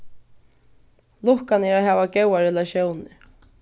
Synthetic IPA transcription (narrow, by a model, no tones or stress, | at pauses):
lʊhkanɛːɾaɦɛːvaɡɛwaɾɛlaʃjoːwnɪ